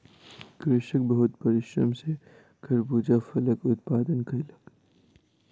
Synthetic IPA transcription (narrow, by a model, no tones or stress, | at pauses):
ɡɾɪʃək̚bɐɦʊt̪̚pɐɾɪʃɾɐ̰mse | kʰɐɾbuːd͡ʒafɐləkʊt̪̚paːd̪ənkʰɐlək